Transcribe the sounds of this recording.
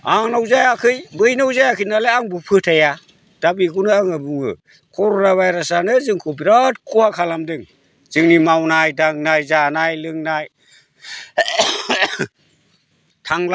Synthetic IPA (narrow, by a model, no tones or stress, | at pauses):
aŋnawzajakʰɯjbɯjnawzajakʰɯnaleaŋbɯpʰɯtʰaja | d̥abikuwnɯaŋɯbuŋɯ̰ | kʰɔɾonaβajɾasanɯzɯŋkʰop̬iɾatkʰuhakʰalamdɯŋ | z̥ɯŋnimawnajdaŋ̚najzanajlɯŋnaj | tʰaŋla